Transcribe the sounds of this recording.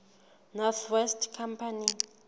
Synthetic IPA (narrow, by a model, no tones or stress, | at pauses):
nɔrt̪ʰwɛstʰkʰampʰani